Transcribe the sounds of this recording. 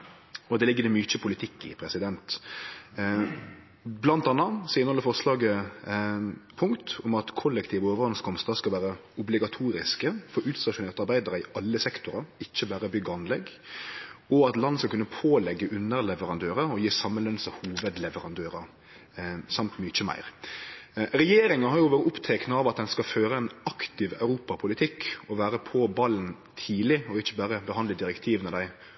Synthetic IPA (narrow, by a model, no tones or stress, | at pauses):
ɔd̪ɛːlɪɡːəd̪ɛmʏt͡ʃəpʰʊlɪt̪ʰɪkːɪ̰pʰɾɛsɪd̪ɛnt̪ | blɑnt̪ɑnːɑsɔɪnəhɔlːəfɔʁslɑːɡə | pʰʊŋkt̪ʊmɑt̪kʰɔlːɛkt̪ʰiːʋəoːʋəʁɑnskʰɔmst̪ɑskɑlʋæːɾəʊblɪɡɑt̪ʰuːɾɪskəfɔɾʉːt̪st̪ɑʂʊneːʁt̪ɑɾbæɪd̪əɾəɪʔɑlːəsɛkt̪ʊɾəɪçːəbæːɾəbʏɡːɑnlɛɡ | ɔɑt̪lɑnskɑlkʉnːəpʰoːlɛɡːəʔʉnəɾlɛʋəɾɑnd̪øːɾəɔjiːsɑmːənlɛnsəhuːʋəd̪lɛʋəɾɑnd̪øːɾə | sɑmt̪mʏt͡ʃəmæ̰ɪʁ | ɾɛjeːɾɪŋɑɦɑɾjʊʋoːɾəʊpt̪ʰɛknəɑːʋɑt̪̚d̪ɛnskɑføːɾəɛnɑkt̪ɪʋœ̰ʉɾuːpɑpʰʊlɪt̪ʰɪkɔʋæːɾəpʰɔbɑln | t̪ʰiːlɪɔɪçːəbæːɾəbəɦɑnd̪ləd̪ɪɾɛkt̪ʰiːʋnɔd̪æɪ